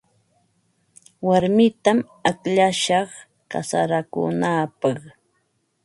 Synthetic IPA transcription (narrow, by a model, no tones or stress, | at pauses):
waɾmɪt̪am | akʎaʃɑχ | ka̰saɾakʊ̰naːpɑχ